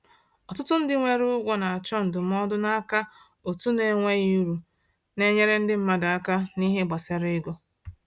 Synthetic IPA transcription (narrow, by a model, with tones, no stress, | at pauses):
ɔ˨tʊ˦tʊ˦n̩˦dɪ˦ŋʷe˨ɾʊ˦ɡʷɔ˦na˨a˨t͡ʃɔ˦n̩˨dʊ˨m̩˦ɔ˦dʊ˦na˦a˦ka˦ | o˨tu˦ne˨ŋʷe˦ji˦u˦ɾu˨ | ne˦ɲe˦ɾe˦n̩˦dɪ˦m̩˦ma˦da˨a˦ka˦ni˦ɦe˦ɡ͡ba˨se˨ɾɪ˦ɡo˦